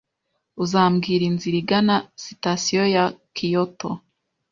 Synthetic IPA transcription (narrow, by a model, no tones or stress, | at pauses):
uzaːmɡiːɾinziɾiɡanasitasijojakʰijoto